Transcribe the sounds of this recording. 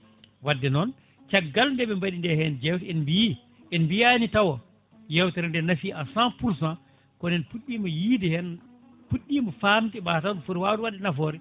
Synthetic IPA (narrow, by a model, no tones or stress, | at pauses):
wadːɛnɔn | t͡ʃaɡːalndɛɓɛmbaɗindɛhɛnd͡ʒɛwtɛnbiji | ʔɛnbijanitawɔ | jɛwtɛɾɛndɛnafiʔasãpuɾsã | kɔnɛnpuɗːimɔjiːdɛhɛn | puɗːimɔfamtiɓaːtawfuɾwaːwtwadːɛnafɔːɾi